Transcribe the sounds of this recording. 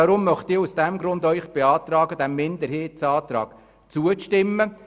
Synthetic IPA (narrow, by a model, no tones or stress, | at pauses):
ɑɾʊmːœχt̪ɪːɾusd̥æmɡɾʊnd̪œʏχb̥eɑːt̪ɾɑːɡəd̥̪æmːɪnd̪əɾɦheːtsɑːt̪ɾɑ̰ːɡ | t͡suəʃtɪmːə